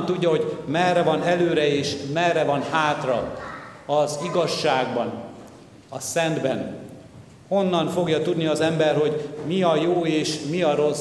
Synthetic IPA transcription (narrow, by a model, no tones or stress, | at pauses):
nt̪uɟːɒɦo̞ɟmɛrːɛvɒnɛløːɾɛeːʃmɛrːɛvɒnhaːt̪rɒ̰ | ɒziɡɒʃːaːɡbɒn | ɒsɛnd̪bɛn | ho̞nːɒɱfo̞ɡjɒt̪ud̪niɒzɛmbɛrɦo̞ɟmiɒjoːeːʃmiɒɾo̞